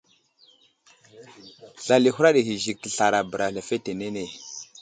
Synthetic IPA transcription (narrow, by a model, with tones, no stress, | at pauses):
ɬa˨li˨ɦu˦ɾa˦ɗi˨ɦi˨zi˨k̚tə˨ɬa˨ɾa˨bɾa˨ɬa˨fe˦te˨ne˦ne˨